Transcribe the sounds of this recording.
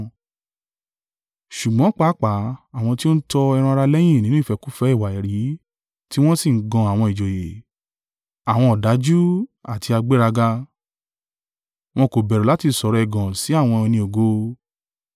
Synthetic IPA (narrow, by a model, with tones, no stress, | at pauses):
ʃu˨ɡ͡bɔ̃˨˦k͡pa˦k͡pa˨˦a˨w̃ɔ̃˧ti˦o˦n̩˦tɔ˧ɛ˧ɾ̃ũ˧a˧ɾa˧lɛ˦j̃ĩ˦˨nĩ˦ũ˦i˦˨fɛ˧ku˦fɛ˦i˦˨wa˨ɛ˨ɾi˨˦ | ti˦w̃ɔ̃˦si˦˨ŋ̩˦ɡɔ̃˧a˨w̃ɔ̃˧i˨d͡ʒo˨je˨ | a˨w̃ɔ̃˧ɔ˨da˨˦d͡ʒu˦a˨tʰi˧a˧ɡ͡be˦ɾa˧ɡa˧ | w̃ɔ̃˧ko˨bɛ˨ɾu˨la˨˦ti˧˨sɔ˨ɾɔ˨ɛ˨ɡɔ̃˨si˨˦a˦˨w̃ɔ̃˧nĩ˧o˨ɡo˧˦